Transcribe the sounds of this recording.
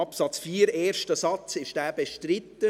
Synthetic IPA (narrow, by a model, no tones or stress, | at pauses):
ɑpsɑt͡sfiːɾeːɾʃtəsɑt͡sɪʃd̥æːb̥eʃtɾɪt̪ːə